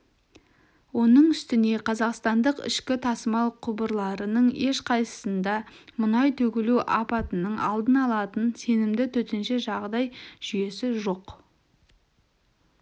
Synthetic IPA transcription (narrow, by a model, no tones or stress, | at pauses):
wo̞nəɴʏst̪ɪne̞qʰɑzɑqst̪ɑnd̪əqɪ̰ʃkʲɪt̪ʰɑsəmɑlˠqʰʊbəɾlˠɑɾənəɴe̞ʃqʰɑjsə̥sənd̪ɑmʊnɑjt̪ʰɵkʲɪluʔɑ̰pɑt̪ənəɴɑ̰lˠd̪ənɑlˠɑt̪ənse̞nɪmd̪ɪt̪ʰɵt̪enʃe̞ʒɑʁd̪ɑjʒ̥ʏje̞sɪʒo̞q